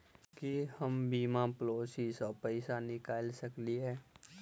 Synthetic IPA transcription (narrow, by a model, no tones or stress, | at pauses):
kihɐmbiːmãploːsisɔːpɛɪsanɪkaːlsəkliɦɛː